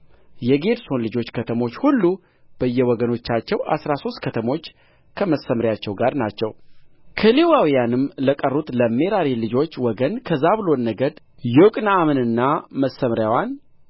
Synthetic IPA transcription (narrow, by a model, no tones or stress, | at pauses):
jɛɡe̞d̪so̞nlɨd͡ʒo̞t͡ʃːkʰət̪ʰəmo̞t͡ʃːhulːu | b̥əjːɛwɔɡəno̞t͡ʃːat͡ʃːɛwa̰sɾaso̞st̪̚kʰət̪ʰəmo̞t͡ʃː | kʰəməsːəmɾjat͡ʃːɛwɡaɾnat͡ʃːɛw | kʰəlewawijanɨmləkʼərːut̪ʼləme̞ɾaɾilɨd͡ʒo̞t͡ʃːwɔɡənkʰəzaβɨlo̞nːəɡəd̪ | jokʼnaːmənɨnːaməsːəmɾjawan